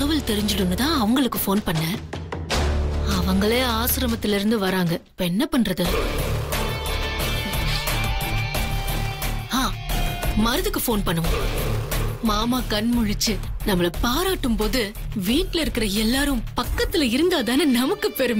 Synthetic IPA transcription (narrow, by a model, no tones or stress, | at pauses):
ɐʋɐlt̪ɛɾɪɲd͡ʒɪɽɯnːɯt̪ãːɐʋɐŋɡɐɭɯkːɯfoːnpɐɳːɐ | ɐʋɐŋɡɐɭeːaːsɪɾɐmɐt̪ːɪlɪɾɯnd̪ɯʋɐɾaːŋɡɐɪpːoɛnːɐpɐɳːɾɐðɯ | aː | mɐɾɯðɯkːɯfoːnpɐɳːɯ̃ŋɐ | maːmaːkɐnmʊɻɪt͡ʃːɯnɐmːɐɭɐpaːɾaːʈːɯmpoːðɯ | ʋiːʈlɪɾɯkːɪɾɐɛlːaːɾɯ̃mpɐkːɐt̪ːɪlɐɪɾɯnd̪aːðaːnɯnɐmɐkːɯpɛɾɯm